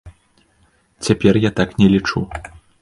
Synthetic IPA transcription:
t͡sʲapʲɛrjat̪aknʲɛlʲit͡ʂu

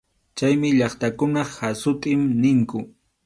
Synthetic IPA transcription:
t͡ʃajmɪʎɑχt̪akʊnɑχhasʊt̪ʼɪmnɪŋkʊ

